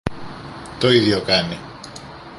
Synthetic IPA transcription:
t̪oiðʝokɐni

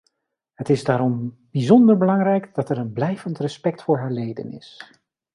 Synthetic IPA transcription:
ɦətɪzdaːɾɔm | b̥izɔndəɹbəlɑŋrɛjkdɑtɛɾənblɛjvəntrəspɛktfʊːɹɦaːɹlejdə̰nɪ̰s

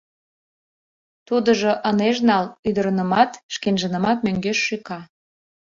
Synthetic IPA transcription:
t̪ud̪əʒoʔəneʃnɑlyd̪əɾənəmɑt̪ʃkenʒənə̆mɑt̪̚møŋɡeʃːykɑ

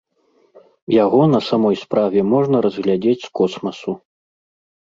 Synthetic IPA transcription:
jaɣɔnɐsamɔjspɾavʲɛmɔʐnɐɾɐzɣlʲad͡zʲet͡sʲskɔsmɐsu

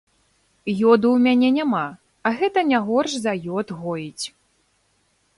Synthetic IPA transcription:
jɔd̪uwmʲanʲɛnʲama | ɐɣɛt̪ɐnʲaɣɔrʂzɐjɔd̪ɣɔjit͡sʲ

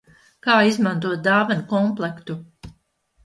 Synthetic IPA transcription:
kaːizmãnt̪̬uɔt̪̚d̪aːvankɔmplˠɛkt̪u

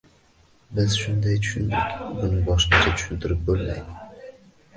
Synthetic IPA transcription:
bɪz̥ʃʊnd̪ajt̪ʰʊ̥ʃʊnd̪ɪ̰kʲbʊnɪŋbɒʃnat͡ʃʰat̪ʰʊ̥ʃʊnt̪ʰɪɾɪp̚bolma̰jd̪ɪ

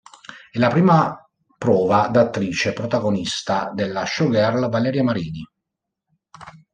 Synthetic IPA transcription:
ɛlapɾiːma | pɾɔːvad̪at̪ːɾiːt͡ʃepɾot̪aɡonist̪ad̪elːaʃɔɡɛrlvalɛːɾjamaɾiːni

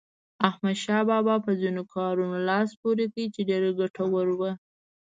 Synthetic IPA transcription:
ahmad̪ʃɑbɑbɑpəzinokʰɑɾunolɑspoɾekəit͡ʃeɖeɾeɡaʈawəɾwə

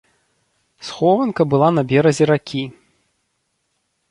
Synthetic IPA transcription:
sxɔvɐnkɐbɨlˠanɐbʲɛɾɐzʲɛɾakʲi

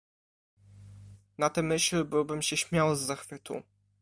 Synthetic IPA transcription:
nat̪ɛmɘɕlɘbɘwbɘmɕɛɕmʲjawzːaxfɘt̪ṵ

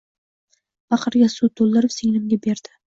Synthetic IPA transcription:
bɑqʰɨɾɡʲasut̪ʰolˠːɪɾɪpseŋʲnɪmɡʲabeɾd̪̥ɪ

